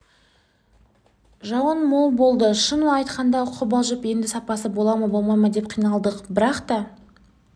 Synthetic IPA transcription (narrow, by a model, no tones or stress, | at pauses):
ʒɑwənmo̞lˠbo̞lˠd̪əʃənuɑjt̪qɑnd̪ɑʊqʰəbɑlˠʒəpje̞nd̪ɪsɑpɑsəbo̞lˠɑmɑbo̞lˠmɑjmɑd̪e̞p̚qʰijnɑlˠd̪əqbɪɾɑqt̪ɑ